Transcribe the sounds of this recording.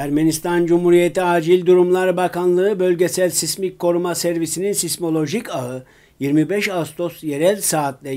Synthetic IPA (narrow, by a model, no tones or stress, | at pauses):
æɾmenist̪ʰand͡ʒumhuɾijet̪iaːd͡ʒilʲd̪uɾumlˠaɾbakanlˠɯɯbølʲɟesælʲsismickʰːo̞ɾumasæɾvisininsismo̞lʲˠo̞ʒicaɯ | jiɾmibɛʃast̪ʰo̞sje̞ɾælʲsaːt̪lʲɛ